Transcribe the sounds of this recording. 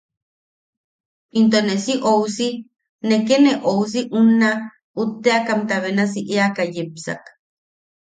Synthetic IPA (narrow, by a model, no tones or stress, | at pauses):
int̪̬onesiʔowsi | nekeneʔows̬iʔuna | ut̪ːeakamt̪aβenas̬iʔeakajepsa̰k